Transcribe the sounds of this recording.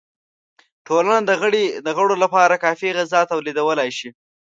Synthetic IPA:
ʈolanad̪əɣəɽid̪əɣəɽolapɑɾakɑfiɣazɑt̪awlid̪awəlajʃi

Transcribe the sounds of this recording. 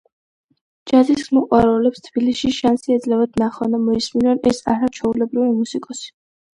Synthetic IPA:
d͡ʒaziskmɔqʼwaɾɛlɛpst̪ʰb̥iliʃiʃansiɛd̪zlɛvad̪naχanamɔisminɔnɛsa̰ɾat͡ʃʰɛulɛbɾivimusikʼɔsi̥

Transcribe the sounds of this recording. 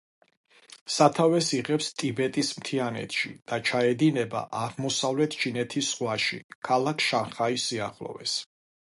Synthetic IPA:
sat̪ʰavɛsiʁɛpst̪ʼibɛt̪ʼismt̪ʰianɛ̰t̪ʰʃḭd̪̥at͡ʃʰaɛd̪inɛba̰ʔaʁmɔsavlɛt̪ʰt͡ʃʰinɛt̪ʰisʁwaʃḭkʰalˠakʰʃanχaisːiaχlˠɔ̰vɛ̰s

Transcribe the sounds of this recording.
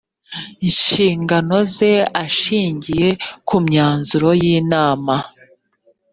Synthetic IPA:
iɲʃiːŋɡano̞ze̞aʃiːɲɟije̞kumɲaːnzuɾo̞jiːnaːma

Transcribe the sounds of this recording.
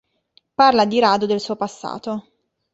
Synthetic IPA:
parlad̪iɾaːd̪od̪elsuːopasːa̰ːt̪o

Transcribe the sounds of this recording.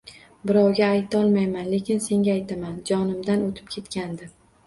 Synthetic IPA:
bɪɾɒwɡʲaːjt̪ʰɒlˠmajmanle̞kʲɪnse̞ŋʲaːjt̪ʰamand͡ʒɒnɪmd̪anot̪ʰɪ̥p̚kʲʰe̞t̪kʲand̪ɪ

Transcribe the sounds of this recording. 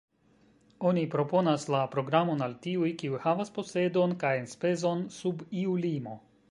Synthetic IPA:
o̞nipɾo̞po̞naslapɾo̞ɡɾamo̞naltiujkiujhavaspo̞se̞do̞nkajenspe̞zo̞nsubiulimo̞

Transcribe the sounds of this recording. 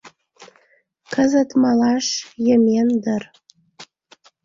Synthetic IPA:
kəzə̆t̪mɑlɑʃjə̆mʲend̪ər

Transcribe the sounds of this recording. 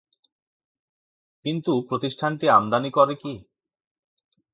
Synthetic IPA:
kint̪upɾot̪iʃʈʰanʈiamd̪anikɔɾeki

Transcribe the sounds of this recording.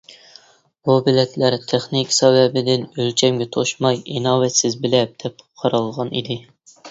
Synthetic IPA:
bubɪlɛt̪ʰlæɾt̪ʰeχnikʲsɛwɛbɪd̪ɪnølt͡ʃʰɛmɡʲɛt̪ʰoʃmɑjinɑwɛt̪sɪzbɪlɛp̚d̪̥ɛp̚qʰɑɾɑlˠʁɑnḭd̪ɪ

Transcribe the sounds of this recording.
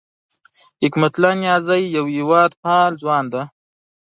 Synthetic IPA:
hɪkmat̪lɑnjɑːzajːawɪwɑːd̪pɑːld͡zwɑːnd̪a

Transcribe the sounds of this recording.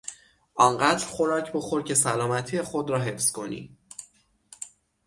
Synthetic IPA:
ʔɒːnɢæd̪ɾxo̞ɾɒːcʰbo̞xo̞ɾcʰe̞sælɒːmæt̪ʰijexod̪ɾɒːɦe̞fskʰo̞̰nḭː

